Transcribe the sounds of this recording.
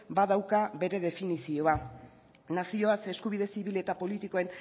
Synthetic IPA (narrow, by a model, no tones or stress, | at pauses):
baðawkabe̞ɾe̞ð̞e̞finisio̞a | nasio̞ase̞skuβ̞ið̞e̞siβile̞t̪apo̞lit̪iko̞e̞n